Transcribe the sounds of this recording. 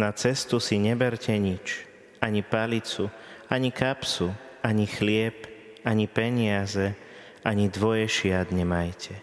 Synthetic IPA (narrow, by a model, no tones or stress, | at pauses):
nat͡sɛst̪usiɲɛbɛɾcɛɲit͡ʃ | aɲipalit͡suaɲikapsu | aɲixlɪɛp | aɲipɛɲɪazɛ | aɲid̪ʋɔjɛʃɪad̪ɲɛmajcʰɛ